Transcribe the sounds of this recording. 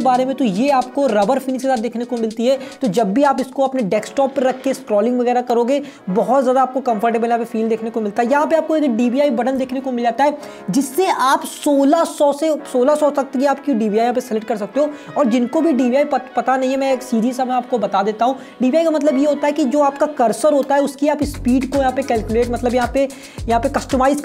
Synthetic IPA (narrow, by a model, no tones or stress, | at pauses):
baːɾemẽt̪ojeaːpkoɾɐbəɾfɪniksezad̪d̪eːkʰnekomɪlt̪iɦɛt̪od͡ʒɐbːʱiaːpɪskoɐpneɖɛːksʈɔːpːɐɾɐkʰːeskɾɔːlɪ̃ŋɡʋɐɣɛːɾakɐɾoːɡe | bɐɦɔt̪zjaːd̪aːp̚kokɐ̃mfʰəɾʈebəljɦãpefiːld̪eːkʰnekomɪlt̪aɦɛjɐɦãpeaːp̚koed̪ɖiːbiaːibɐɖənd̪eːkʰnekomɪlaːt̪aɦɛː | d͡ʒɪsːeʔaːpsoːlasɔːsesoːlasɔsɐk̚t̪ɡiaːp̚kiɖiːbiaːjɐɦãːpesɛlɪʈ̚kɐɾs̬ɐk̚t̪eɦo | ɔːɾd͡ʒɪnkobʱiɖiːʋiaːippɐt̪anɐɦĩɦɛmɛ̃eːksiːɾiːzsɐmɛaːp̚kobɐt̪ad̪eːt̪aɦũ | ɖiːbiaːikamɐt̪̬ləbjeɦoːt̪aɦɛkid͡ʒoːaːpkakɐɾsəɾɦoːt̪aɦɛʊskiaːpɪsːpiːɖkojɐɦãːpekɛːlkjʊleːʈmɐt̪ləbjɐɦãpe | jɐɦãpekɐsʈəmaːɪz